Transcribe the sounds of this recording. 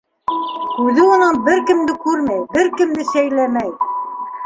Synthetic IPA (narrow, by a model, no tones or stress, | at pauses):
ʉðɘŏnɑnbɘɾkɘ̆md̪ɘkʉɾmæjbɘɾkɘ̆md̪ɘsæjlæmæj